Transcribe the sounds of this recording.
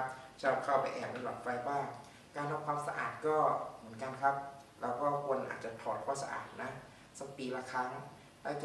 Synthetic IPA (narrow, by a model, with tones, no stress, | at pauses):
p̚sʰa˧ɾa˨˩p̚kʰa˥˩wpa˧jʔɛː˨˩k̚na˧˩lɔ̰ː˨˩t̚fɾa˧jbaː˥˩ŋ | kaː˧nha˧m̚kʰwaː˧msa˧ʔa̰ː˨˩t̪̚kɔː˥˩mɯ˩˦ənka˧nkʰa˦˥p̚lɛː˦˥wkɔː˥˩kʰu˧nʔa̰˨˩t͡ɕa˨˩t̪ʰɔː˨˩t̪̚kʰwɔː˥˩sa̰˧ʔa̰ː˨˩t̪̚na˦˥ | sa˦˥˩k̚piː˧la˦˧˥kʰa˦˥ŋ | la˦˥˩k